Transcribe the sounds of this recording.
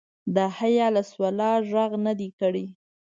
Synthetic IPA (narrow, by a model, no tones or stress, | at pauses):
d̪əhajɑlaswalɑʒaɣnəd̪ikəɽi